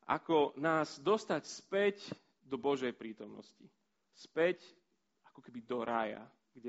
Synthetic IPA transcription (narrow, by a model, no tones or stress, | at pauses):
ʔa̰kɔnaːzd̪ɔst̪acspɛc | d̪ɔbɔʒɛjpɾiːt̪ɔmnɔ̰sci | spɛc | akɔkɛbid̪ɔɾaja̰ | ɡɟɛ